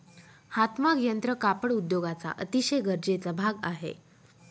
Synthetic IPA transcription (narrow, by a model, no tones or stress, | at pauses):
hat̪makjənt̪ɾəkapəɽud̪joɡat͡sa̰ʔət̪iɕəjɡʱəɾd͡ʑet͡sabʱaɡaɦḛ